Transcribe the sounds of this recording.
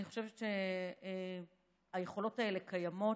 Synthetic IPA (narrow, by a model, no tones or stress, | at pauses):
niχo̞ʃe̞vet͡ʃe | aje̞χo̞lo̞tae̞le̞kʰajamo̞